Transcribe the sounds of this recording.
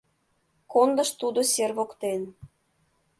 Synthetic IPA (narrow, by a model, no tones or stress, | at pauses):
kond̪əʃt̪ud̪oserβokt̪en